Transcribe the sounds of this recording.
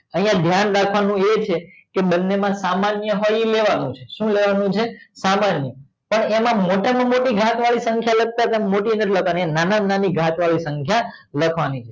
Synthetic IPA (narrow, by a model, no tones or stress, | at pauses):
əɦĩjãd̪ʱjanɾakʰʋanũet͡ʃʰe | keɓənːemãsamanjəɦoileʋanũt͡ʃʰeʃũleʋanũt͡ʃʰesamanjə | pəɳemãmoʈamãmoʈiɡʱat̪ʋaɭisəŋkʰjalək̚t̪aɾt̪amoʈinəʈləkʰʋaninanananiɡʱat̪ʋaɭisəŋkʰja | ləkʰʋanit͡ʃʰe